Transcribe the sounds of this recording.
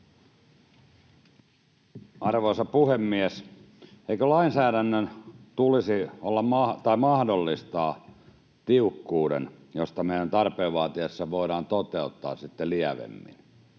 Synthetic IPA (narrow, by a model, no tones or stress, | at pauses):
ɑrʋoisɑpuhemːies | eikølɑinsæːɾænːønt̪ulisiolːɑmmɑt̪ɑimɑhdolːist̪ɑː | t̪iukːuːɾḛnjost̪ɑmeˑijænt̪ɑrpeːʋʋɑːt̪iesːɑʋoiɾɑːnt̪ot̪eut̪ːɑ̰ːssit̪ːeliæʋḛmːḭn